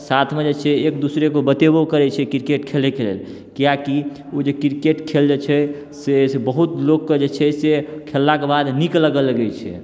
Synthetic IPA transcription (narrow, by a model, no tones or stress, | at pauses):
sat̪ʰmed͡ʒet͡ʃʰɛekd̪usɾekobət̪ebokəɾɛt͡ʃʰɛkɾikeʈkʰelekelḛl | kijaki | od͡ʒekɾikeʈkʰeld͡ʒet͡ʃʰɛ | sesebəɦut̪lokːed͡ʒet͡ʃʰɛsekʰelːakebad̪nikləɡələɡɛjt͡ʃʰɛ̰